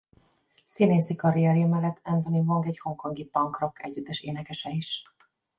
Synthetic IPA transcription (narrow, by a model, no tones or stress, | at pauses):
sineːsikɒɾijɛɾijmɛlːɛt̪ʰːɛnt̪o̞nivoŋɡɛcho̞ŋko̞ŋɡipɒŋkro̞kʰɛ̰ɟyd̪ɛʃeːnɛkɛʃɛiʃ